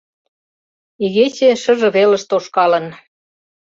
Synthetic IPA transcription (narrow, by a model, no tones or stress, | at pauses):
iɣet͡ɕeʃɤ̆ʒɤ̆βelə̆ʃt̪oʃkɑlə̆n